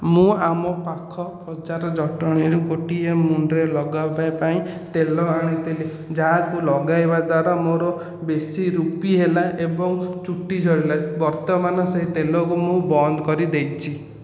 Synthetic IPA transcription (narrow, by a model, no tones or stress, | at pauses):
mũamɔpakʰɔpʰɔt͡ʃaɾɔd͡ʒɔʈɔɽ̃iɾukoʈiemunɾelɔɡawpajpaĩt̪elɔaɽ̃it̪ʰile | d͡ʒaɦãkulɔɡajbad̪waɾamoɾɔ | besiɾupiɦelaʔebɔŋt͡ʃuʈid͡ʒʱʰɔɽilabɔɾt̪ɔmanɔseɦit̪elɔkumũbɔnd̪ɔkɔɾid̪ejt͡ʃʰi